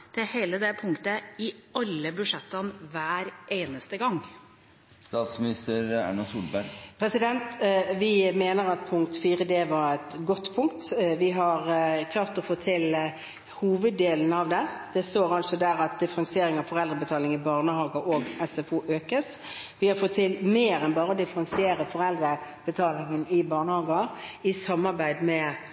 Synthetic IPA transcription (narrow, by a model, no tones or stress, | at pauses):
t̪ʰɪlheːləd̪ɛpʰʊŋkt̪əɪɑlːəbʉʂɛt̪ːənʋæːɾʔeːnəst̪əɡɑŋː | st̪ɑːt̪smɪnɪst̪əɾæ̰ɳɑsuːlbæɾɡpʰɾɛsɪd̪ɛnt̪ʋɪmeːnəɾɑt̪̚pʰʊŋk̚t̪fiːʁəd̪eːʋɑʁɛt̪ɡɔt̪ːpʰʊŋk̚t̪ʋɪɦɑʁkʰlɑːʁt̪ɔfoːt̪ʰɪl | huːʋəd̪ːeːln̩ɑʋd̪ɛd̪̥ɛst̪oːɾɑlsɔd̪æːʁɑt̪̚d̪ɪfəɾɑŋsɪeːɾɪŋɑʋfɔʁɛld̪ɾəbət̪ʰɑːlɪŋɪbɑːʁnəhɑːɡəʔoɡɛsɛfuːʔøːkəs | ʋɪhɑɾfɔt̪ʰːɪlmeːɾɛnbɑːɾəɔd̪ɪfɾɑŋsɪeːɾəfɔɾɛld̪ɾəb̥ət̪ʰɑːlɪŋənɪbɑːʁnəhɑːɡɑɪsɑmːɑɾbæɪd̪mɛ